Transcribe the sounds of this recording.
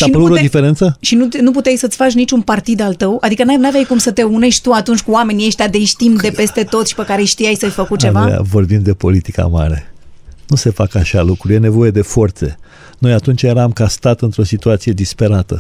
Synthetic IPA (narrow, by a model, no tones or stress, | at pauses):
sainpuɾuɾod̪ifeɾe̞nt̪səʃinunup̬ut̪ejsət̪sʲfat͡ʃnit͡ʃunpart̪id̪alt̪əwad̪ikənanavʲjajkumsət̪e̞une̞ʃt̪ʲt̪uat̪unt͡ʃʲkuame̞nieʃt̪ʲjad̪ejʃt̪imd̪e̞pe̞st̪e̞t̪o̞t̪ʃi̥pe̞kaɾe̞jʃt̪ijajsəjʲfəkut͡ʃenvaoja̰vo̞rbimd̪e̞po̞lit̪ika̰ma̰ɾe̞nuse̞fakaʃalukɾuje̞ne̞vo̞je̞d̪e̞fo̞rt̪se̞̰ | no̞jat̪unt͡ʃje̞ɾamkast̪at̪ɨnt̪ɾo̞sit̪uat̪sije̞d̪ispe̞ɾat̪ə